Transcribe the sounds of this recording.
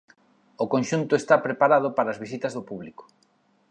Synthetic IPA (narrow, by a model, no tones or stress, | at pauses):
okonʃunt̪ʊest̪apɾepaɾað̞ʊpaɾɐaːzβisit̪ɐzðopuβliko̥